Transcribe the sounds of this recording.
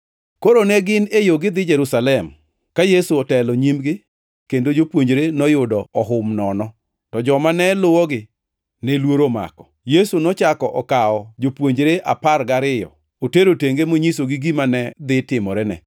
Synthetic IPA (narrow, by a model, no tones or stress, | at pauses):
koɾonɛɡɪnejoɡɪd̪ɪd͡ʒɛɾusalɛm | kajesuɔtɛlɔɲimɡɪ | kendod͡ʒopwoɲd͡ʒɾenɔjʊdɔɔɦʊmnɔnɔ | tɔd͡ʒɔmanɛlʊwɔɡɪ | nɛlwoɾoma̰kɔ̥jesunɔt͡ʃakɔʔɔkaɔd͡ʒopwoɲd͡ʒɾeʔa̰parɡaɾɪjɔ̰ | oteɾoteŋɡemoɲisoɡɪɡimanɛd̪ɪtɪmɔɾɛnɛ̰